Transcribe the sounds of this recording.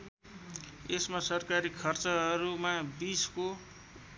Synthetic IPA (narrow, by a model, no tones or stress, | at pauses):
esmasʌrkaɾikʰʌrt͡sʌɦʌɾumabisko